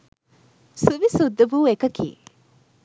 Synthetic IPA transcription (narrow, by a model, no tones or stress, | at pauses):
suʋisud̪ːɐʋuːekɐkḭː